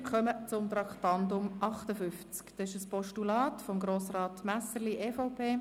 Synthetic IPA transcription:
kʰœmət͡sʊmt̪ɾɑktɑndʊmʔɑχtəfʏft͡skd̥̪ɛɪʃəspɔʃtulɑːtfɔmɡɾoːsrɑːtmæsəliʔɛːfaʊpʰeː

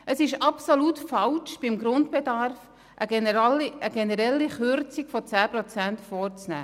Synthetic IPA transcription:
ʔəsɪʃɑpsolutfɑlt͡ʃb̥ɪmɡɾʊndb̥ɛdɑɾf | ʔə | əɡ̥ɛnəɾɛlːiχʏɾt͡sikfɔt͡sæːpɾɔt͡sæntfɔːɾt͡snæ̰ː

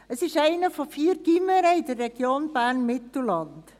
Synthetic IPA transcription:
əsɪʃæɪnəfɔfiːəɾɡ̥iməɾəɪdərːɛɡ̥joːnb̥æːɾnmɪt̪l̩lɑnt

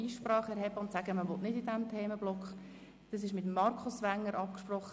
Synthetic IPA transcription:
iːʃprɑːχɛɾɦɛbəʊntsæɡəməʋɔtnɪdidɛmtʰeːməblɔkχə | d̥ɑs̬ɪʃmɪtmːɑɾkʰʊsʋæŋːəɾʔɑpkʃprɔχː

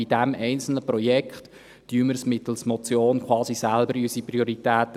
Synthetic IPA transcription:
id̥æmɛɪnt͡sl̩nəprɔjɛkχt | d̥yyməɾsmɪt̪l̩smɔt͡sjoːnkʰwɑːsisælbəɾysiprioɾitæːtə

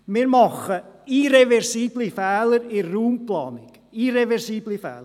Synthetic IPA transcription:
mɪːɾmɑχəiɾevɛɾsiːblifɛːləɾɪrːuːmplɑːnɪk | iɾevɛɾsiːblifɛ̰ːl

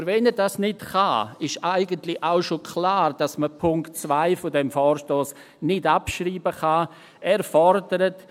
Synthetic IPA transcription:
ɾvɛnədasnɪtχaɪʃaɪɡəntlɪʔaʊʃokʰlaːrd̥asməpʰʊŋktt͡svaɪfodɛmfɔːɾʃtoːs | nɪdapʃriːbəχa | ɛɾfɔrdəɾət

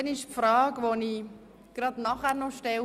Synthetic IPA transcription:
ɛnɪʃpfɾɑːɡʋoni | ɡ̥ɾɑd̪nɑχæːɾnɔʃtɛ

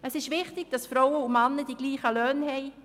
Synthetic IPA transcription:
əsɪʃvɪχtɪɡ̥̚d̥ɑsfrɔwəumɑnːədiɡ̥liːχəløːnhɛɪ

